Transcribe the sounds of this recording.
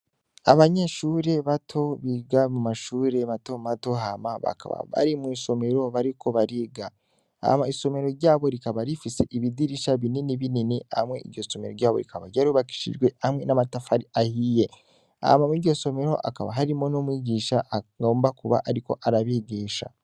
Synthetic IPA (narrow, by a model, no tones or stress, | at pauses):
a̰βaɲeʃuːɾe̞βatʰo̞βiɡamumaʃuːɾe̞mato̞mato̞ɦamaβa̰ka̰βa̰βa̰ɾimwiːso̞me̞ɾo̞βaɾiko̞βaɾiɡa | ha̰maiso̞me̞ɾo̞ɾɟaːβo̞ɾikaβaɾifise̞ʔiβidiɾiʃaβininiβininia̰mŋe̞ḭɾɟo̞so̞me̞ɾo̰ɾɟaːβoɾikaβaɟaɾuβaki̥ʃḭʒɡwe̞amŋe̞namatafaɾiahije̞ | a̰hmamiɟɟo̞so̞me̞ɾo̞ʔa̰ka̰βa̰ɦaɾimo̞nomwiːɟiːʃaɡo̞ːmbakuβa̰ʔaɾiko̞̰ʔaɾaβeɡiːʃa̰